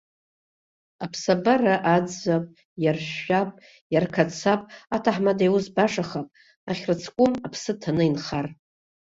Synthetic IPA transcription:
apʰsabaraʔad͡zapʼ | jarʃapʼ | jarkʰat͡sʰapʼatʰaħmadajwuzbaʂaχapʼ | aχʲrɨt͡sʰkʷʼʊmapʰsɨtʰanɨinχar

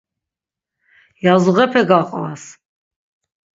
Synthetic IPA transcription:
jazuʁɛpʰɛɡaqʼva̰s

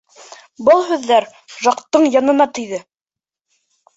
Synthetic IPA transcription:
bɤlˠɦʉðːæɾ | ʒɑqt̪ːɤɴjɑnɤ̆nɑt̪ɵ̆jðɘ

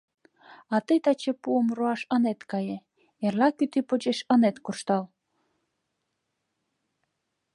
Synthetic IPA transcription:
ɑt̪əjt̪ɑt͡ɕepuəmroɑʃənet̪kɑje | erlɑkyt̪ipod͡ʑeʃə̆net̪kurʃt̪ɑl

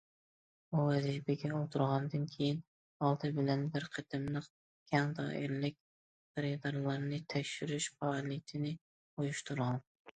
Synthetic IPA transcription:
uvæzibæɡʲɛolˠt̪ʰɨɾʁɑnd̪ɨnkʲʰejɪn | ɑlˠd̪ɨbɪlænbɪɾqʰəd̪ɨmlˠɨq | ɡʰʲæŋd̪ɑ̰ʔɪɾlɪk̚ʲ | ɾɪd̪ɑɾlˠɑɾnɪt̪ʰækʲʃɪɾɪʃfɑlˠit̪ʰɪnɪ | ujʊʃt̪ɨɾʁɑn

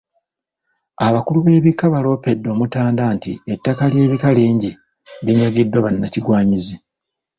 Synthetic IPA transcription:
aβakuluβe̞ːβikaβalo̞ːpe̞dːo̞ːmutaːndaːntietːakalje̞ːβikaliːɲɟi | βiɲaɡidwaβanːaciɡwaːɲizi

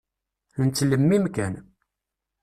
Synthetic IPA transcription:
nt͡sːləmːimkæn

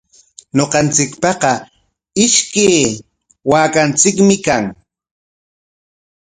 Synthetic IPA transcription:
ɲoqɑnt͡sɪkpɑqɑ | ɪʃkeː | waːkant͡sɪkmɪkaŋ

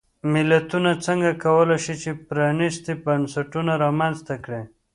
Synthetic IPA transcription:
mɪlat̪unat͡səŋɡakawəlajʃit͡ʃepɾɑnist̪ebansaʈunaɾɑmanst̪akɽe

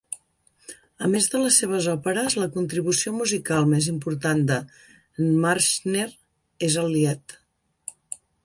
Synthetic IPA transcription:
əmezðələsːeβ̞əzɔpəɾəzləkunt̪ɾiβ̞usiomuzikalˠmɛzimpuɾt̪and̪ə | ənmaɾʃneɾ | ezəlˠːiɛt̪

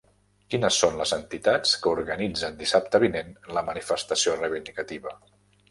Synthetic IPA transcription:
kinəsːonləzənt̪it̪at͡skəuɾɣənid͡zənd̪isap̚t̪əβinenləmənifəst̪əsiorəβind̪ikət̪iβə

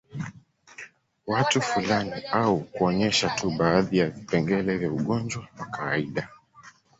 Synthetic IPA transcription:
watufulaniaukuɔɲɛʃatʰuɓaːðijavipɛŋɡɛlɛvjauɠɔnd͡ʒwawakawaiɗa

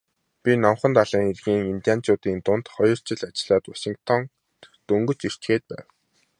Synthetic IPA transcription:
pʲinɔmχə̆nt̪aɮiːŋerɣiːŋint̪ʲijan̥t͡ɕʊːt̪iːnt̪ʊn̥t̪χɔjɞ̆r̥t͡ɕɪ̆ɮat͡ɕɪ̆ɮaːt̪waʃĭŋkt̪ʰɔŋ | t̪ɵŋɡɵ̆t͡ɕir̥t͡ɕɡeːt̪̚pæ̰ːw

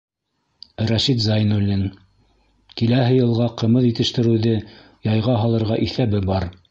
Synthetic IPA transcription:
ɾæʃit̪zɑjnulːɘn | kilæɦɘjɤ̆lˠʁɑqɤ̆mɤðjɘ̆t̪ɘ̆ʃt̪ɘ̆ɾɘ̆wðɘ | jɑjʁɑɦɑlˠɤ̆ɾʁɑʔiθæbɘbɑɾ

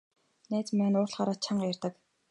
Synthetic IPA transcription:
næːt͡smæːnʊːrɮχaːɾaːt̪̚t͡ɕʰaɴɢajærʲt̪ə̆k

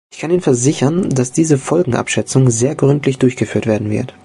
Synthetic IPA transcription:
ʔɪçkʰaniːnfɛɐzɪçɐnd̥asd̥iːzəfɔlɡŋ̩ʔa̰pʃɛt͡sʊŋzeːɐɡʁʏntʰlɪçd̥ʊɐçɡ̥əfyːɐtveːɐdn̩vɪ̰ɐt

